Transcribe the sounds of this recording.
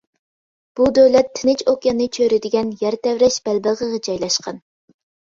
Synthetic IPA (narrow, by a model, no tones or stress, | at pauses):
b̥ud̪øwlɛt̪ʰːɪnɪt͡ʃʰokjɑnɨt͡ʃʰøɾɪd̪ɪɡʲɛnjɛɾt̪ɛwɾɛʃb̥ɛlbəʁəʁɑd͡ʒɑjlˠɑʃqɑn